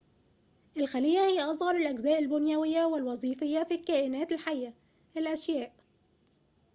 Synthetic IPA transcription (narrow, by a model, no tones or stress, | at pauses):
ʔɪlxælɪjːæhɪjːæʔɑsˤhɑɾˤɪlʔæɡzæːʔɪlbʊnjæwɪjːæwɪlwɑzˤiːfɪjːafiːkæːʔɪnæːt̪ɪlħajːʔæ | ɪlʔæʃjæːʔ